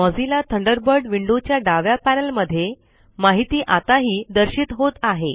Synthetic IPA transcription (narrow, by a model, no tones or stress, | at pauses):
mɔd͡zilat̪ʰəɳɖəɾbəɾɖʋiɳɖot͡ɕjaɖaʋjapænəlməd̪ʱːje | maɦit̪iːʔat̪aɦiːd̪əɾɕiːt̪ɦot̪aɦe